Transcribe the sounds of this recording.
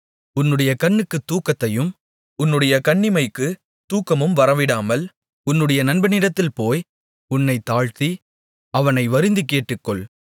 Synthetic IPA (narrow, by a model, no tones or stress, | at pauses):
ʊnːɯɽɐjɐkɐnːɯkːɯt̪ːuːkːɐt̪ːɐjɯm | ʊnːɯɽɐjɐkɐɳːɪmɐɪkːɯ | t̪uːkːɐmɯmʋɐɾɐʋɪɽaːmɐl | ʊnːɯɽɐjɐnɐnbɐnɪɽɐt̪ːɪlpoːj | ʊnːɐɪt̪ːaːɻt̪i | ɐʋɐnɐɪʋɐɾɯnd̪ɯkːeːʈːɯkːɔɭ